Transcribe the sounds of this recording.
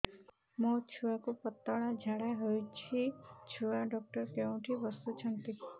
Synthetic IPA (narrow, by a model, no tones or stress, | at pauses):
mɔt͡ʃʰuwakupɔt̪ːɔɭ̃ad͡ʒʱaɽaɦojt͡ʃʰit͡ʃʰuaɖɔk̚ʈɔɾkeũʈʰibɔst̪ut͡ʃʰʌnt̪i